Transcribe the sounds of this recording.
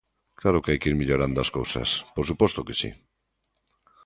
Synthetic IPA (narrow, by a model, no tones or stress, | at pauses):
klaɾʊkeajkiɾmiʎoɾand̪oaskowsɐ̰spoɾsupɔst̪okesḭ